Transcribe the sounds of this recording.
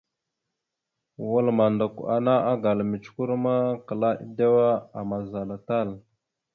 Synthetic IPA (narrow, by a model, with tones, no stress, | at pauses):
wu˦lma˨nda˨ku˨a̰˨na˦a˦ɡa˨lmi˨t͡ʃku˦ɾma˦kə˨la˦ʔḭ˦da˦wa˦a˨ma˨za˨la˨ta˦˨l